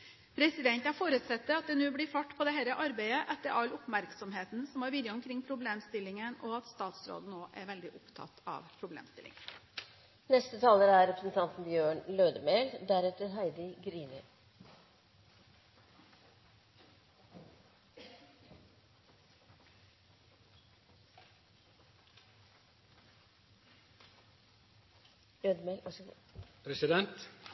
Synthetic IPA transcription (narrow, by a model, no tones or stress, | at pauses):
pʰɾɛsɪd̪ɛnt̪æfoːɾʉt̪sɛt̪ːəɑt̪̚d̪ɛnʉːblɪfɑʈːpʰɔd̪ɛɦæɪɾəʔɑɾbæɪəʔɛt̪ːəɾɑlʊpmæɾksɔmɦeːt̪n̩sɔmæːɾʋɪːd̪ɾəʊmkʰɾɪŋːpʰɾʊbleːmst̪ɪlːɪŋənɔɑt̪st̪ɑːt̪sɾo̰ːd̪n̩noːʔæ̰ɾʋɛld̪ɪʔʊpt̪ʰɑ̰t̪ʰɑ̰ːʋpʰɾʊblḛːmst̪ɪlʔɪ̰ŋ | nɛst̪ət̪ʰɑːləɾæɾɛpɾəsn̩t̪ʰɑnt̪n̩bjøːɳløːd̪əmeːld̪æɾɛt̪əɾɦæɪd̪əɡɾiːnɪ | øːd̪əmeːl | pʰɾɛsɪd̪ɛnt̪